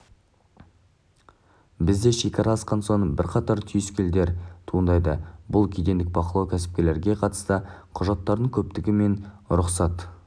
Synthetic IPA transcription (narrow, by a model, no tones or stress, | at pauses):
bɪzd̪e̞ʃekʲɑɾɑːsqɑnso̞ɴbɪɾqʰɑt̪ɑɾt̪ʰʏjɪskʲeld̪e̞ɾt̪ʰuənd̪ɑjd̪əbʊlˠkʲʰijd̪e̞nd̪ɪk̚bɑqəlˠɑwkʲʰæsɪ̥p̚kʲe̞le̞ɾɡʲe̞qʰɑt̪ə̥st̪əqʰʊʒɑt̪ːɑɾd̪əɴŋkʲʰɵp̚t̪ɪɡʲɪme̞nɾʊqsɑt̪